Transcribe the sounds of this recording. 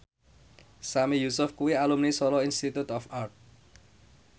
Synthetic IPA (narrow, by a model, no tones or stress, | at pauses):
samijusʊfkuialumnisɔlɔinst̪it̪ut̪ɔfart̪̚